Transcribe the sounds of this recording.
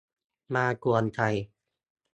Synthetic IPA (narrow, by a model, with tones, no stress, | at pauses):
maː˧ku˧ənt̪ʰa˧˩j